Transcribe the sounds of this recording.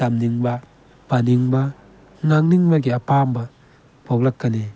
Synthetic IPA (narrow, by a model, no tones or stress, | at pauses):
amniŋba | paniŋba | ŋaŋniŋbakiapamba | pɔklakːani